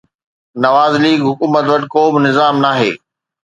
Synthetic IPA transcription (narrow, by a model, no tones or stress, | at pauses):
nɐʋaːzliːɡɦʊkuːmət̪ʋɐʈɪ̆koːbɪnɪzaːmnaːɦḛː